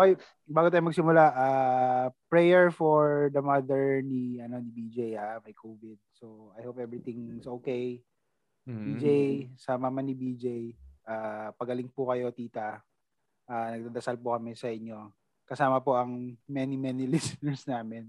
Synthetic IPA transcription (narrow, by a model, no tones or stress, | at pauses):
oj | baːɡʊt̪aːjʊmɐɡ̚sɪmʊlaʔaːpɹɛjɛɹfoɹd̪ɐmɐd̪ɛɹniɐno̞nɪbid͡ʒejamɐjkʰovɪd̪̚soɐjhowpʔɛvɹɪt̪ɪŋɪsʔoːkej | bid͡ʒejsamɐmɐnibid͡ʒejʔapɐɡɐlɪŋpʊkɐjo̞t̪iːt̪ɐ | ʔaːnɐɡ̚d̪ad̪ɐsalpʊkɐmɛsɐʔɪɲːo̞ | kɐsaːmɐpoʔɐŋmɛnimɛnilɪsɪnɛɹsnaːmɪn